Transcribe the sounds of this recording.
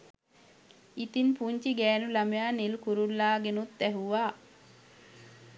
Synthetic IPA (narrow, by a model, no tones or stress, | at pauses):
it̪inpuɲt͡ʃiɡɛːnulamjaːnilkuɾulːaːɡenut̪ːæɦuʋaː